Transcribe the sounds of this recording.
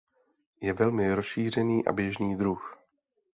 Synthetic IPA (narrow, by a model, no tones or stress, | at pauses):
jɛvɛlmɪɾosʃiːr̝ɛniːʔa̰bjɛʒniːd̪ɾux